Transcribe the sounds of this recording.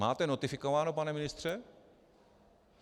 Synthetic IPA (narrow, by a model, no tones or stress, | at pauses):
aːt̪ɛnot̪ɪfɪkoʋaːnopanɛmɪnɪst̪rɛ